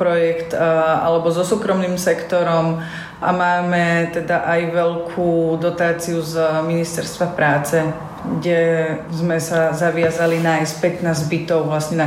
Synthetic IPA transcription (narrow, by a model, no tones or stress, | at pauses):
pɾɔjɛkt̪a̰lɛbɔzɔsuːkɾɔmniːmsɛkt̪ɔɾɔm | ʔamaːmɛt̪ɛd̪aʔajʋɛlkʰuːd̪ɔt̪aːt͡siuzminist̪ɛɾst̪ʋapɾaːt͡sɛ | ɡɟɛzmɛsazaʋɪazalinaːjstpɛt̪naːzbit̪ɔʊʋlasɲɛna